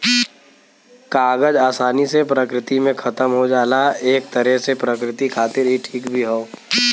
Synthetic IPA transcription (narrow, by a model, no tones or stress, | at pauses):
kaːɡəd͡ʒaːsaːnisepɾəkɾɪt̪imẽkʰɐt̪əmɦod͡ʒaːlaeːk̚t̪əɾɛɦsepɾəkɾɪt̪ikʰaːt̪ɪɾɦiʈʰiːkbʱiɦoː